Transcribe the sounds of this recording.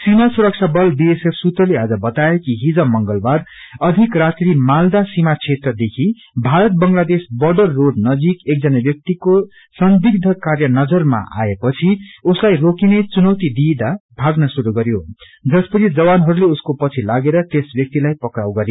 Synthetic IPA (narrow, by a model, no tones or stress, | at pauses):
simasuɾʌk̚t͡sʰabʌlbiesepʰsut̪rʌlead͡zʌbʌt̪ajekiɦid͡zʌmʌŋɡʌlbad̪ʌd̪ʱikrat̪rimald̪asimat͡sʰet̪rʌd̪ekʰi | bʱaɾʌt̪̚bʌŋɡlad̪esbʌɖʌrːoɖ̚nʌd͡zikek̚d͡zʌnabjʌk̚t̪iko | sʌnd̪iɡ̚d̪ʱʌkarjʌnʌd͡zʌrma̰ʔa̰epʌt͡sʰioslajrokinet͡sunʌwt̪id̪id̪abʱaɡnʌsuɾuɡʌɾjo | d͡zʌspʌt͡sʰid͡zʌbanɦʌɾuleuskopʌt͡sʰilaɡeɾʌt̪esbjʌk̚t̪ilajpʌkrawɡʌɾeo